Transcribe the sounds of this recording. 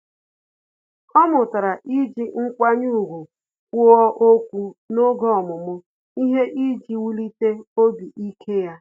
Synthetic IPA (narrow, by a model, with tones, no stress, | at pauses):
ɔ˦mʊ˨ta˨ɾa˨ʔi˦d͡ʒi˦ŋ̩˦kʷa˦ɲu˦u˨ɡu˨ | kʷu˦ɔ˦ʔo˦kʷu˦no˦ɡɔ˦ɔ˨mʊ˨mʊ˦ | i˦ɦe˦ʔi˦d͡ʒi˦wu˦li˦te˦o˦bi˨ʔi˦kʰe˦ja˦